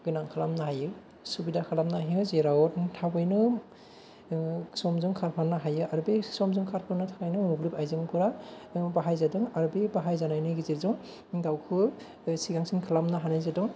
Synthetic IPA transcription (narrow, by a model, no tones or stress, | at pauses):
ɡɯnaŋkʰalamnaɦajɯ | subidakʰalamnaɦiɯzeɾawɔttʰabɯjnɯ | sɔmzuŋkʰaɾpʰanːaɦajɯaɾubisɔmzuŋkʰaɾkʰɯnɯtʰakajnɯublipajzɯmkʰɯɾabaɦajzadɯŋaɾubibaɦajzanajnɯɡiziɾzuŋ | ɡawkʰɯ | siɡaŋsinkʰalamnaɦanajzadɯŋ